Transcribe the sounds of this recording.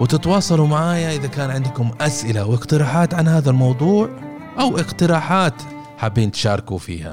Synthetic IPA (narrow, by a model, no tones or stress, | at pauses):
wɪt̪ɪt̪wɑːsˤɑlumaʕaːjaʔɪðakaːnʕɪnd̪kʊmʔasʔɪlawɪqt̪ɪɾɑːħaːt̪ʕanhaːðalmɑwðˤuːʕ | ʔawʔɪqt̪ɪɾaːħaːt̪ | ħabːiːnt̪ʃɑːɾˤkufḭːha̰